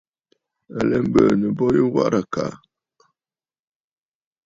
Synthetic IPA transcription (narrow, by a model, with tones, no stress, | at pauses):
a˨lɛ˦m̩˦bə˨nə˨bɔ˦jə˦wa̰˦ɾa˨ka̰˨